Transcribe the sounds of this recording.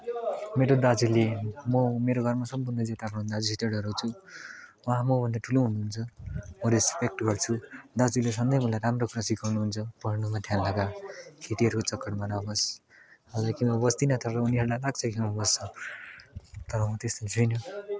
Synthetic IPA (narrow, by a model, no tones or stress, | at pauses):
meɾod̪ad͡zulemʌmeɾoɡʱʌrmasʌmpunːʌd͡zet̪aɾʌnɦund̪ad͡zusiʈeɽʌɾʌt͡sʰu | wãmʌbʱʌnd̪aʈʰuloɦunuɦunt͡sʰʌmʌɾespek̚ʈɡʌrt͡sʰud̪ad͡zules̬ʌnd̪ʌjmʌlajɾamrokʰuɾasikɡʌrnuɦunt͡sʰʌpʌɦnumat̪ʰjanlaɡakʰet̪iɦʌɾukot͡sʌkːʌʈbʌnabʌs | ʌd͡zʌkimʌbʌst̪inʌt̪ʌɾʌuniɦʌɾulajlaɡ̚t͡sʰʌkimʌbʌst͡sʰʌ | t̪ʌɾʌmʌt̪est̪ʌjt͡sʰujnʌ